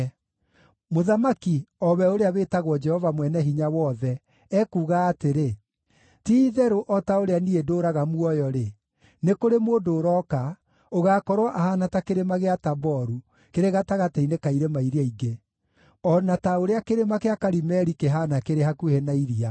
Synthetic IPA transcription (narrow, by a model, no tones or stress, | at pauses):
moðamakiɔβɛoɾeaβeːtaɣwɔd͡ʒɛhɔvamwɛnɛɦiɲawɔðɛ | ɛkuːɣaːteɾe | tiːðɛɾoʔɔtaoɾeaniedoːɾaɣamuɔjɔɾe | nekoɾemodoːɾɔka | oɣaːkɔɾwɔʔahanatakeɾemaɣeatabɔɾu | keɾeɣataɣatainekaiɾemaiɾiaiɡe | ɔnataoɾeakeɾemakeakaɾimɛɾikeɦaːnakeɾehakuhenaiɾia